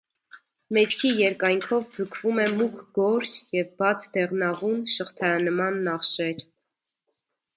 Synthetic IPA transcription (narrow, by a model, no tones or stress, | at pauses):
mɛt͡ʃkʰijɛɾkɑjŋkʰɔvd͡zəkʰvumɛmukʰɡɔɾjɛvbɑt͡sʰd̪ɛʁnɑʁunʃəχt̪ʰɑjɑnəmɑnːɑχʃɛɾ